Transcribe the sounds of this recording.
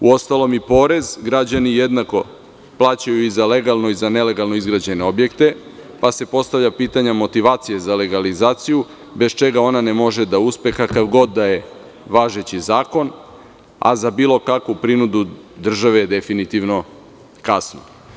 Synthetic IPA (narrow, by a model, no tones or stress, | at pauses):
uo̞st̪alˠo̞mipo̞ːɾe̞zɡɾad͡ʑanije̞d̪nako̞ | plˠaːt͡ɕajuizale̞ɡalˠno̞izane̞leɡalˠno̞izɡɾad͡ʑe̞ne̞o̞bje̞kt̪e̞pase̞po̞st̪aʋʎapiːt̪aɲamo̞t̪iʋaːt̪sije̞zale̞ɡalizaːt̪siju | be̞st͡ʃe̞ɡao̞nanemo̞ʒe̞d̪auspe̞kakaʋɡo̞d̪ːaje̞ | ʋaːʒe̞t͡ɕizaːko̞n | a̰zabiːlˠo̞kakʋupɾinud̪ud̪r̩ʒaʋejed̪e̞finit̪iʋno̞ | kasno